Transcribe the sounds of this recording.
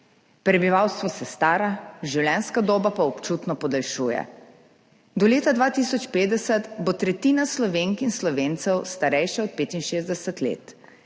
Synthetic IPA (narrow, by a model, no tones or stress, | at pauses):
pɾɛbiʋawst̪ʋɔsɛst̪aːɾaʒiwlɛnskad̪oːbapaɔpt͡ʃuːt̪nɔpɔd̪alʃuːjɛ̰ | d̪ɔleːt̪ad̪ʋaːt̪isɔt͡ʃpeːd̪ɛsɛt̪bot̪ɾɛt̪iːnaslɔʋeːŋkinslɔʋeːnt̪sɛwst̪aɾɛjʃɛɔt̪̚peːt̪inʃeːzd̪ɛsɛt̪lḛːt̪